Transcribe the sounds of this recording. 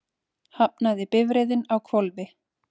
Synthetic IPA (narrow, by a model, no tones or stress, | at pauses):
hap̚naðɪpɪvɾejðɪnawkʰvɔlvɪ